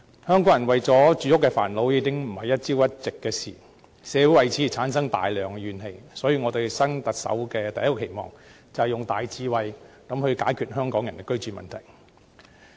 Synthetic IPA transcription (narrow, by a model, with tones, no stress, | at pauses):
hœː˥ŋkɔː˨˥ŋjɐ˨˩nwɐ˨jt͡sɔː˨˥t͡ʃyː˨˧˥ʊ˥kːɛ˧fa̰ː˨˩nlo˨˧wjiː˨˧kɪ˥ŋm̩˨˩hɐ˨jɐ˥t̚t͡siː˥wjɐ˥t̚t͡sɪ˨kːɛː˧sḭː˨˩ | sɛː˨˧wu˨˥jwɐ˨jt͡sʰi˨˥˨t͡sʰaː˨˥nsɐ˥ŋt̪a̰ː˨jlœː˨ŋɥyː˨nhe˨˧jsɔː˨˥jiː˧ŋɔː˨˧t̪e˨jsɐ˥ŋt̪ɐ˨k̚sɐ̰˨˥wkɛː˧t̪ɐ˨˩jɐ˥tkːɔː˧ke˨˩jmɔ̰ː˨ŋ | t͡sɐ˨hjʊ˨ŋt̪aː˨jt͡siː˧wɐ˨j | kɐ˨˧˥mhɵ˧ɥkaː˨˥jkʰyː˨t̚hœː˥ŋkɔː˨˥ŋjɐ˨˩nkɛ˧kɵ˥ɥt͡ʃyː˨˩mɐ̰˨nt̪ʰɐ˨˩j